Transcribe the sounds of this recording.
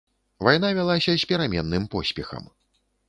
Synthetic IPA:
vajn̪avʲalˠasʲɐsʲpʲɛɾamʲɛnːɨmpɔsʲpʲɛxɐ̰m

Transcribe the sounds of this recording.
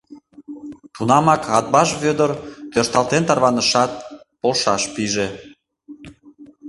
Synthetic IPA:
t̪unɑmɑkɑt̪̚bɑʃβød̪əɾt̪øʃt̪ɑlˠt̪ent̪ɑrβɑnəʃɑt̪̚ | polʃɑʃpiʒe

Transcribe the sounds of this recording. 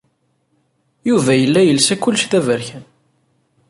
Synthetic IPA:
juvæjəlːæjəlsækːʊlːʃθævəɾçæn

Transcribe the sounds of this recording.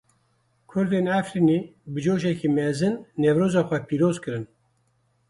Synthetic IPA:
kʰʊɾd̪enæfɾiːnibɨd͡ʒoːʒɛkiːmɛzɨnːɛvɾoːzɑːxʷɛpʰiːɾoːzkɨɾɨn

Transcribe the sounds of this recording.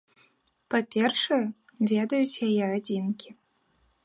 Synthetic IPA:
papʲɛrʂɐjɛ | vʲɛd̪ɐjut͡sʲjajɛad͡zʲinkʲi

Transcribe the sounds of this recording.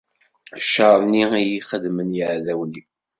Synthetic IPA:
ʃəɾˤniijiχəd̪mənjəʕðæwni

